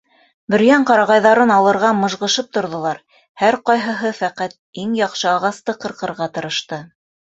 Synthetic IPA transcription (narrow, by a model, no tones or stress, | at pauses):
bɵ̆ɾjæɴqɑɾɑʁɑjðɑɾɤnɑlˠɤ̆ɾʁɑmɤ̆ʒʁɤ̆ʃɤp̚t̪ŏɾðŏlˠɑɾ | hæɾqɑjɦɤ̆ɦɤfæqæt̪̚iŋjɑqʃɤɑʁɑst̪ɤqɤ̆ɾqɤ̆ɾʁɑt̪ɤ̆ɾɤ̆ʃt̪ɤ